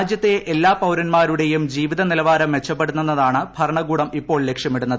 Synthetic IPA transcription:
d̪jɐt̪ːe̞ʔelːaːpɐwɾɐnmaːɾuɽe̞jumd͡ʑiːʋiðɐnilɐʋaːɾɐmʋe̞t͡ɕːɐpːe̞ɽunːunːɐðaːɳɨbʱɐɾɐɳɐɡuːɽɐmipːo̞ːɭle̞kʂjɐmiɽunːɐðɨ

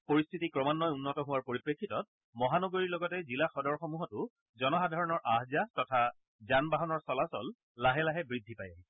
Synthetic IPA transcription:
poɹistʰitikɹɔmanːɔjunːɔtɔɦʊwaɹpoɹipɹekʰːitɔt̚ | mɔɦanɔɡoɹiɹlɔɡɔtɛzilaxɔdɔɹxɔmuɦɔtʊ | zɔnɔxadʱaɹɔnɔɹʔaɦzatɔtʰa | zanbaɦɔnɔɹsɔlasɔl | laɦɛlaɦɛbɹidʱːipajaɛ

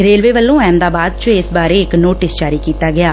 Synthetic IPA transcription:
ɾeːlʋeːʋəlːõːɛːmd̪aːbaːd̪̚t͡ʃʊɪsbaːɾeːɪknoːʈɪsd͡ʒaːɾiːkiːt̪aːɡɪaː

